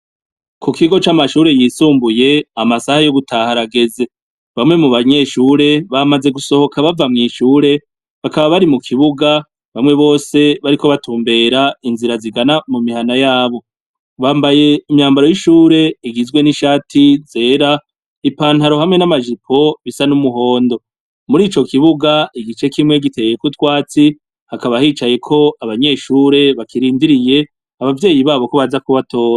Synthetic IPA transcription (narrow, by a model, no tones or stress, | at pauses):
kʰukiɡo̞t͡ʃamaʃuːɾe̞jiːsuːmbuje̞amasahajo̞ɡutʰaːhaɾaɡe̞ze̞ | βamŋe̞muβaɲe̞ʃuːɾe̞βamaze̞ɡuso̞ho̞kʰaβavamŋiːʃuːɾe̞ | βakaβaβaɾimukʰiβuɡa | βamŋe̞βo̞ːse̞βaɾiko̞βatʰuːmbe̞ːɾainziɾaziɡanamumiɦanajaːβo̞ | βaːmbaje̞imɲaːmbaɾo̞jiʃuːɾe̞iɡizɡwe̞niʃaːtʰize̞ːɾa | ipaːn̥haɾo̞ɦamŋe̞namaʒipʰo̞βisanumuɦo̞ːndo̞ | muɾiːt͡ʃo̞kiβuɡaiɡit͡ʃe̞kimŋe̞ɡitʰe̞jekutwaːt͡si | hakaβahiːt͡ʃaje̞kʰo̞aβaɲe̞ːʃuːɾe̞βakiɾiːndiɾije̞ | aβavje̞ːjiβaːβo̞ko̞βazakuβatʰo̞ːɾa